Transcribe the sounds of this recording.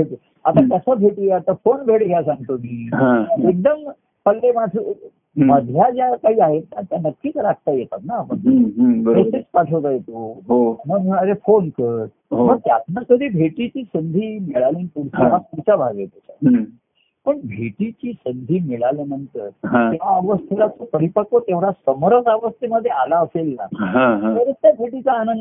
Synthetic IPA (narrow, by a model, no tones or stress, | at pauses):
bʱe | at̪at̪jəsabʱeʈieat̪əfonbʱeɽɡʱjasãŋɡt̪omiːɦãek̚d̪əm | pəllemaʈʰu | məd̪ʱjad͡ʑjakaɦiːaɦet̪nat̪janəkːiːt͡səɾak̚t̪ajet̪a̰t̪napəɳəet̪et͡spaʈʰəʋd͡zajet̪oɦoməɡəɾefonkəɾ | ɦoməɡt̪jat̪nakəd̪ʱiːbʱeʈit͡ɕiːsənd̪ʱiːmiɭaliːnpuɽt͡ɕeɦapuɽt͡ɕabʱaɡet̪at͡ɕa̰ | pəɳbʱeʈit͡ɕiːsənd̪ʱiːmiɭalinənt̪əɾɦãt̪eaəʋəst̪ʰelat͡səpəɾipəkot̪eʋɽasəməɾəsaʋəst̪ʰeməd̪ʱːjealaəfelːa̰ɦãt̪əɾet͡st̪jabʱeʈit͡saːnən